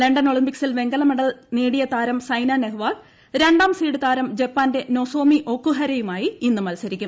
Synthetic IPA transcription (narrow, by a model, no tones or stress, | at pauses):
leɳɖɐno̞ɭimpiksilʋe̞ŋɡɐlɐmɐɽɐlneːɽijɐt̪aːɾɐmsɐjnaːneɦʋaːl | ɾe̞ɳɖaːmsiːɽɨt̪aːɾɐmd͡ʑe̞pːaːnde̞no̞so̞ːmiʔo̞kːuɦɐɾɐjumaːjiinːumɐlsɐɾikʲːum